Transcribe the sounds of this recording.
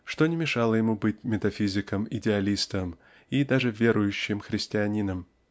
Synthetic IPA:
ʂt̪o̞nʲɪmʲɪʂɑlˠəjɪmubɨtʲmʲɪt̪ɐfʲizʲɪkəmɪdʲɪɐlʲist̪əm | id̪aʐɨvʲe̞ɾʊjʉɕːɪmxɾʲɪsʲtʲɪɐnʲinəm

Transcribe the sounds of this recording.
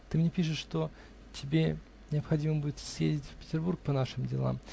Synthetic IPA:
t̪ɨmnʲepʲiʂɨt̪ʂt̪o̞ | tʲɪbʲe | nʲɪɐpxɐdʲiməbudʲɪt̪sjḛzʲɪtʲfʲpʲɪ̥tʲɪrburk̚pɐnaʂɨmdʲɪ̰lˠa̰m

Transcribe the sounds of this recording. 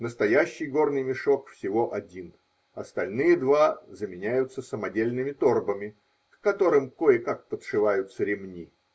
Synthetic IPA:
nəst̪ɐjæɕːɪjɡo̞rnɨjmʲɪʂo̞kfsʲɪvo̞ʔɐdʲin | ɐst̪ɐlʲnɨjəd̪vazəmʲɪnʲæjʊt̪sːəsəmɐdʲelʲnɨmʲɪt̪o̞rbəmʲɪ | kkɐt̪o̞ɾɨmko̞jɪkak̚pət̪ʂɨvajʊt̪səɾʲɪmnʲi

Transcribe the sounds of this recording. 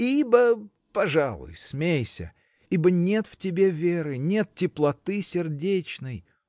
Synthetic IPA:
ibə | pɐʐalˠʊ̰jsmʲejsʲə̰ | ibənʲe̞t̪ftʲɪbʲe̞vʲeɾɨnʲe̞t̪̚tʲɪplˠɐt̪ɨsʲɪrdʲet͡ɕnɨj

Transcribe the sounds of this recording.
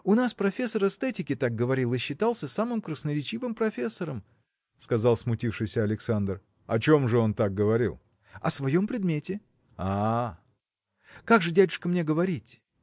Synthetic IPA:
ʊnaspɾɐfʲe̞sːəɾɛst̪ɛtʲɪkʲɪt̪ak̚ɡəvɐɾʲilˠɨɕːɪt̪aɑlˠsʲəsamɨmkɾəsnəɾʲɪt͡ɕivɨmpɾɐfʲe̞sːəɾəm | skɐzɑlˠsmʊtʲifʂɨjsʲəɐlʲɪksand̪r | ɐt͡ɕomʐɨo̞nt̪ak̚ɡəvɐɾʲḭlˠ | ɐ̰svɐjo̞mpɾʲɪd̪mʲetʲɪ | a | kaɡʐɨdʲædʲʊʂkəmnʲe̞ɡəvɐɾʲitʲ

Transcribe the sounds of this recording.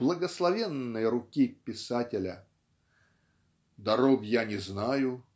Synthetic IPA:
b̥lˠəɡəslˠɐvʲenːəjɾʊkʲipʲɪsatʲɪlʲə | d̪ɐɾoɡjanʲɪznajʊ

